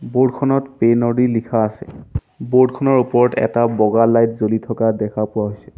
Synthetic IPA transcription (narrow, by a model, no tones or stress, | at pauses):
bodkʰɔnɔtpenɔɹilikʰaːsɛ̰ | boɹdkʰɔnɔɹupɔɹɔtɛ̰tabɔɡalajtzolitʰɔkadɛkʰapʊwaɦojsɛ̥